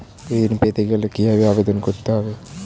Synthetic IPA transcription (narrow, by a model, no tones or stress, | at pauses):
ed̪inpet̪eɡelekiɦabeabed̪onkoɾt̪eɦɔbe